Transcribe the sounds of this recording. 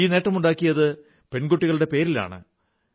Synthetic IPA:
iːne̞ːʈːɐmuɳɖaːkːijɐðɨ | pe̞nɡuʈːiɣɐɭɨɽe̞pe̞ːɾila̰ːɳɨ̰

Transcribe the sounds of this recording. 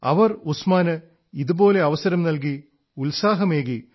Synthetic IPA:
ɐ̰ʋɐrusmaːnɨ | iðubo̞ːle̞ɐʋɐsɐɾɐmnɐlk̬i | ulsaːɦɐmeːɣi

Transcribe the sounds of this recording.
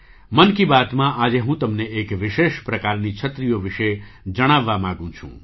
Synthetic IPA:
mənkibaːt̪mãʔaːd͡ʒeɦũt̪əmneekʋɪʃeʃpɾəkaɾnit͡ʃʰət̪ɾijoʋɪʃe | d͡ʒəɽ̃aʋːamãɡũt͡ʃʰṵ̃

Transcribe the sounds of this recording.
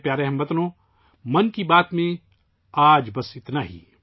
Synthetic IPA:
pjaːɾeɦɐmbɐt̪nõː | mɐnkibaːt̪mẽ | aːd͡ʒbɐsɪt̪naːɦḭː

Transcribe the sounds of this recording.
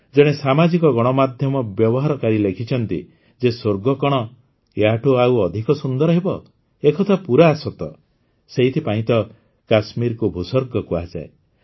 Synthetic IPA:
d͡ʒɔɽ̃esamad͡ʒikɔɡɔɽ̃ɔmad̪ʱjɔmɔbjɔbɔɦaɾɔkaɾilekʰit͡ʃʰɔnt̪ḭ | d͡ʒesoɾɡɔkɔɽ̃ɔ | jaʈuauɔd̪ʱikɔsund̪ɔɾɔɦebɔ | ekʰɔt̪ʰapuɾaːsɔt̪ɔ | seɦit̪ʰipaĩt̪ɔ | kasmiɾkubʱusɔɾɡɔkua̰d͡ʒa̰e

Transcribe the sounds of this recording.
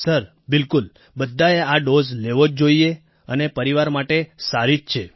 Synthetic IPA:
səɾ | bɪlkul | bəd̪ʱːaeaɖozleʋod͡ʒd͡ʒoie | ənepəɾiʋaɾmaʈesaɾid͡ʒt͡ʃʰe

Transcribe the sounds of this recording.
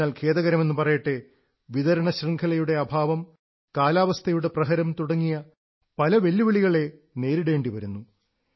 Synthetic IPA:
aːlkʰe̞ːðɐɣɐɾɐme̞nːɨpɐrɐjɐʈːe | ʋiðɐɾɐɳɐɕriŋkʰɐlɐjuɽe̞ɐbʱaːʋɐm | kaːlaːʋɐst̪ʰɐjuɽe̞prɐɦɐɾɐmt̪uɽɐŋːijɐ | pɐlɐʋe̞lːuʋiɭiɣɐɭe̞ | ne̞ːɾiɽe̞ːɳɖiʋɐɾunːu

